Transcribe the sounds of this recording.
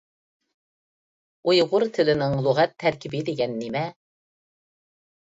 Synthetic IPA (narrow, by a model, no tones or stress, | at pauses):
ujʁʊɾt̪ʰɪlɪnɪŋlˠuʁɛt̪ʰːæɾkʲʰɪbɪd̪eɡʲɛnːimɛ